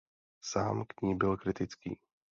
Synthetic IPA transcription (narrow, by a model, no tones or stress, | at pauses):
saːmkɲiːbilkɾit̪it͡skḭː